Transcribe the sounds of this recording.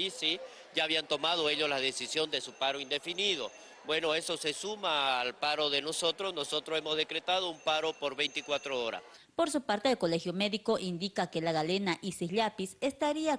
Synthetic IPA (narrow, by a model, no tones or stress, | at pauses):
isi | ɟ͡ʝaːβiant̪o̞mað̞oe̞ʎozlaðesisjo̞nd̪e̞supaɾoind̪e̞finiðo̞ | bwe̞no̞e̞so̞se̞sumaːlpaɾo̞ðe̞no̞so̞t̪ɾosno̞so̞t̪ɾosemozðe̞kɾe̞t̪að̞oumpaɾo̞poɾβe̞jnt̪ikwat̪ɾooɾa̰s | poɾsupaɾt̪eðelkole̞xjomeðiko̞ʔind̪ikakelaɣalenaʔisiʎapisest̪aɾia